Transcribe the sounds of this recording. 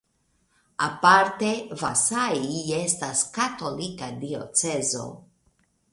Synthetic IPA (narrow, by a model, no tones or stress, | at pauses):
apaɾte̞vasaie̞staskato̞likadio̞̰t͡se̞zo̞̰